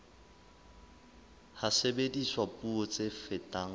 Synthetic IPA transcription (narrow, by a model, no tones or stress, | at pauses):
hasebediswapuot͡sʼefɪtʼaŋ̩